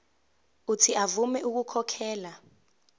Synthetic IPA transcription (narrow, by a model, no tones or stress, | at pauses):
utʰiʔavumɛʔuk̬ukʰɔkʰɛːla